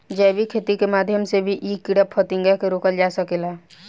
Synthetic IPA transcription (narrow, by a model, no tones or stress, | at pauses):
d͡ʒɛbikʰeːt̪ikemaːd̪ʱjəmsebʱiʔiːkːɪɽəpʰət̪ɪ̃ŋɡakeɾoːkəld͡ʒaːsəkela